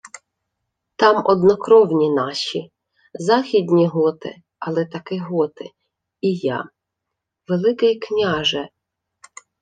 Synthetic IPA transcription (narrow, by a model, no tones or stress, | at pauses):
t̪ɑmɔd̪nɔkɾɔwnʲinɑʃi | zɑxʲid̪ʲnʲiɦɔt̪ɪ̰ | ɐlˠɛt̪ɐkɪɦɔt̪ɪ | ijɑ̰ | ʋelˠɪkɪjknʲɑʒɛ